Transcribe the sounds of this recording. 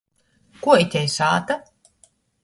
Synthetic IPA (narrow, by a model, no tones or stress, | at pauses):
kuɔit̪ʲɛjsaːt̪a